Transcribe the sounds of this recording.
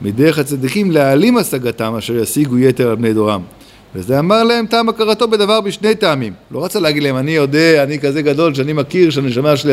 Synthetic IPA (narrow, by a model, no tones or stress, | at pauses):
mideʁeχhat͡sad̪ikimlealimasaɡat̪amaʃeʁjasiɡuje̞teʁalbne̞jd̪o̞ʁam | vezeamaʁlae̞mt̪aːmakaʁat̪o̞bed̪avaʁbiʃne̞jt̪aamimlo̞ʁat͡saleaɡid̪lahemanijo̞d̪eanikaze̞ɡado̞lʃ̬eanimakiʁʃeaneʃamaʃli